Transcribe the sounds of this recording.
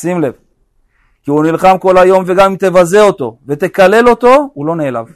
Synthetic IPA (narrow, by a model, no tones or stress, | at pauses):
simle̞v | kiunilχamko̞lhajo̞mve̞ɡamimt̪e̞vaze̞ot̪o̞ve̞t̪e̞kale̞lo̞t̪o̞ulo̞neːla̰v